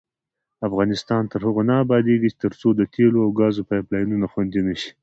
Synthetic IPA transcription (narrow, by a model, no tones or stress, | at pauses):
afɣɑnɪst̪ɑnt̪əɾhəɣonaːbɑd̪eɡit͡ʃe̥t̪əɾt͡sod̪ət̪ʰeloawɡɑzopajplɑjnunaxwand̪inəʃi̥